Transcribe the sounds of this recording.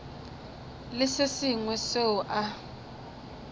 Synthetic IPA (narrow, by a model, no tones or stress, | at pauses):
lɪsɪsiŋwɛseʊʔa